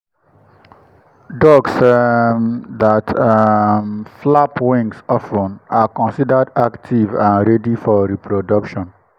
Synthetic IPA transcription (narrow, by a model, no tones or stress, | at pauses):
dɔɡsmðatʰamflapwĩŋsɔfɔ̃nakɔ̃nsidadaktʰivãnɾɛdifɔɾipʰɾodʌkʃɔ̃n